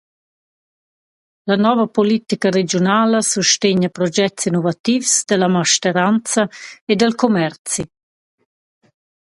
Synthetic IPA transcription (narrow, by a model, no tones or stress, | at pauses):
lanɔvəpolit̪ikəɾed͡ʒjonaːləsuʃteɲəpɾɔd͡ʒɛsinovat̪ifsd̪əlamaʃtəɾant͡sɐed̪əlkomɛrt͡si